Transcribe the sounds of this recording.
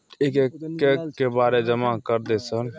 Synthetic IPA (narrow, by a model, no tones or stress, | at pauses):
ekekekːebaɾed͡ʒəmakəɾd̪ɛsən